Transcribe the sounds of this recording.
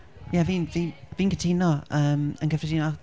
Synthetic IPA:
jɛvinvinvinkʰətʰiːnɔəmə̃nkəfətiːnɔ

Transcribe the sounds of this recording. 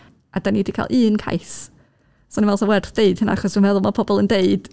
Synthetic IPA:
ʔad̥anidikʰa̰lˠʔɨːnkʰa̰js | sɔninvɛlˠsɔwɛrθd̥eɨd̥həna̰aχɔsd̥unmɛðʊlˠmapʰɔbɔlˠəndeɨd̥

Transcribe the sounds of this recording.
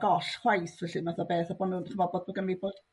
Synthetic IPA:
ɡɔɬhwajθvɛɬɨnaθabeːθaboːnuːnχʰəmɔbɔdbɔɡəmiboːd̥

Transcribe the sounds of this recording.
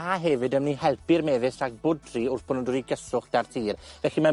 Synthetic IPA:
aɦɛvɨdəmnihɛlˠpɨrmɛðɪsaɡ̚bʊdriʊrθb̥ʊnɔdɔɾiɡəsʊχd̥artʰiːrvɛɬima

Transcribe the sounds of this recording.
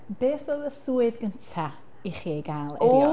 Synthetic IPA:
b̥eːθoːðəsuːɨðɡəntʰa | iχiɡaːlˠɛ

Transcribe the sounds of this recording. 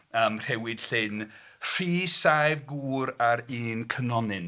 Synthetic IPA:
əːmr̥ɛwɪd̥ɬɪn | r̥iːsajvɡuːɾaɾiːnkʰənɔnɨn

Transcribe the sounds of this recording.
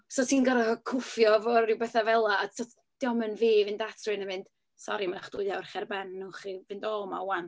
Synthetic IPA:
sɔtʰiːnɡɔɾakʰʊfjɔvɔɾɪwbɛθavɛlˠaasɔtʰ | d̥ɪɔmənviːvɪndatʰrɨnəmɪnd̥ | sɔ̰ɾimanaχd̥ʊɨawrχɛrbɛnːʊχivɪndɔːma̰wanθ

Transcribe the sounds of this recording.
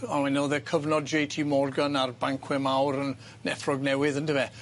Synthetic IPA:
awɛnɔlˠðɛkʰəvnɔdd͡ʒejtʰimɔrɡanarbaŋkʰwɪmawɾən | nɛ̰frɔɡnɛwɪðəntʰəvɛ

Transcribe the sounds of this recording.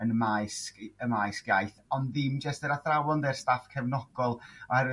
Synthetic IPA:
ənmajskəmajskjajθɔnðɪmd͡ʒəstɛɾaθrawɔndɛrstafkʰɛvnɔɡ̥ɔlˠaɛɾ

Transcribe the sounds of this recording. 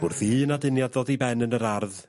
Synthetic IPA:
ʊrðiːənadɪnjadðodibɛnənəɾarð

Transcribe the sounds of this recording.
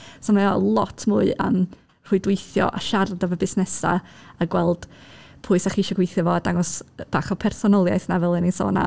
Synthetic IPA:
sɔmaɔlˠɔtʰmʊːɨə̰m | r̥ʊɨdwejθjɔ̰ʔa̰ʃardɔvəbɪsnɛsa̰aɡwɛlˠd̥ | pʰʊɨsaχiɪʃɔɡwejθjɔvɔadaŋɔsb̥aːχɔpʰɛrsɔnɔlˠjajθnavɛlˠɨninso̰ːna̰

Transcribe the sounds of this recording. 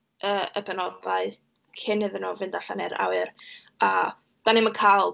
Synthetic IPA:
əəbɛnɔdlaɨ | kʰɪnhɨðɪnɔvɪndaɬanɛɾa̰wɨr | a | d̥anɪmənkʰajlˠ

